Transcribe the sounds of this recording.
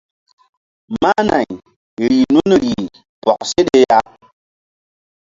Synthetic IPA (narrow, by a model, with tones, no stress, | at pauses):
ma˦na̰˨j | ɾi˨nu˦n˨ɾi˨ | pɔ˨k̚se˦de˦ja˦